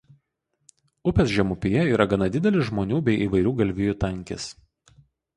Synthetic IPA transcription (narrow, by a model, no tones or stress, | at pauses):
ʊpʲɛsʒʲɛmʊpʲɪjɛiːɾɐɡɐnɐd̪ʲɪd̪ʲɛlʲɪʒmoːnʲuːbʲɛɪʔiːʋɐɪɾʲuːɡɐlʲʋʲɪjut̪ɐŋʲˑkʲɪ̰s